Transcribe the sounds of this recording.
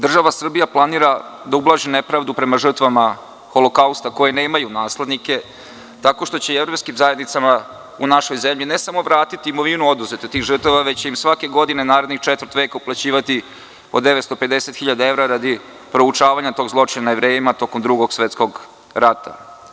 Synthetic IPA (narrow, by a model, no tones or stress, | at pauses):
d̪r̩ʒaʋasr̩bijaplˠaniːɾad̪aublˠaːʒinepɾaʋd̪upɾe̞maʐr̩t̪ʋama | xo̞lokaust̪ako̞jeneːmajunaːsled̪nike̞ | t̪ako̞ʂt̪o̞t͡ɕe̞evɾo̞pskimzaje̞d̪nit̪sama | unaʃo̞jzemʎinesamo̞ʋɾaːt̪it̪iːmoʋinuo̞d̪uze̞t̪et̪iːɣʐrt̪aʋaʋe̞t͡ɕe̞imsʋake̞ɡo̞d̪ine̞naːɾe̞d̪nixt͡ʃet̪vər̩t̪ʋe̞ːkauplˠat͡ɕiːʋat̪i | od̪eʋet̪st̪o̞pe̞d̪eset̪xiʎad̪ae̞ʋɾaɾad̪i | pɾo̞ut͡ʂaːʋaɲat̪o̞ɡzlˠo̞t͡ʂiɲanajeʋɾeːjimat̪o̞komd̪ɾuɡo̞ɡsʋet̪sko̞ɡ | ɾat̪a̰